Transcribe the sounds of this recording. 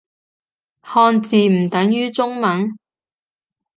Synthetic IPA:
hɔː˧nt͡siː˨m̩˨˩t̪ɐ˨˥ŋjyː˥t͡sʊ˥ŋmɐ˨˥n

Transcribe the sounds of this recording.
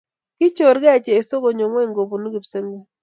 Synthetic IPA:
kɪ˦t͡ʃo˨ɾɡɛ˦˨t͡ʃeː˨so˦ɡo˨ɲo˨ŋwɛ˦˨ŋɡo˨bu˨nu˦ɡi˨pse˦ŋɡu˦

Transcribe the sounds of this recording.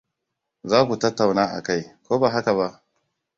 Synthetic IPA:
zaː˦ku˨tɐ˦tːa˨wnaː˦ʔa̰˨ka˦jkʷoː˦ba˨ɦa˦ka˨βa˦ʔ

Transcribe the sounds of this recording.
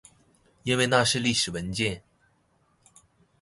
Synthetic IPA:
i˥˧nwe˥˧ɪna˥˧ʂɻ̩˥˧li˥˩ʂɻ̩˨˩wə˧˥nt͡ɕjɛ˥˩n

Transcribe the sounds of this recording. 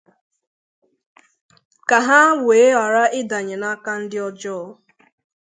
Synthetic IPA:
ka˨ɦa˦weː˨˦a˨ɾa˦ɪ˦da˨ɲe˨na˦ka˦n̩˦dɪ˦ɔ˦d͡ʒɔ˦ɔ˦

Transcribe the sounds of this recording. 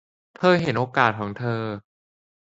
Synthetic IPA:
t̪ʰɤː˧ɦe˩˦nʔoː˧kaː˨˩t̪̚kʰɔː˩˦ŋt̪ʰɤː˧

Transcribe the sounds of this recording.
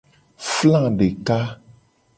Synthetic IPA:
flã˦˨ɖe˨ka˦

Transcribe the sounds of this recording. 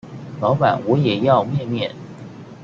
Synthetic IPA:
lɑ˧˥ʊpa˨˩˦nwɔ˨˧˥jɛ˨˩jɑ˥˧ʊmjɛ˥˧mjɛ˥˩n

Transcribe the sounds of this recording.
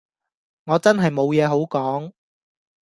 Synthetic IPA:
ŋɔː˨˧t͡sɐ˥nɦɐ˨jmo˨˧wjɛː˨˧ɦo˨˥wkɔː˨˥ŋ

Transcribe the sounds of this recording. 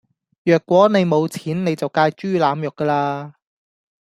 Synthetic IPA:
jœː˨kwʷɔː˨˥ne˨˧jmo˨˧wt͡sʰiː˨˥nne˨˧jt͡sɐ˨wkaː˧jt͡ʃyː˥laː˨˧mjʊ˨˩kːəː˧laː˧

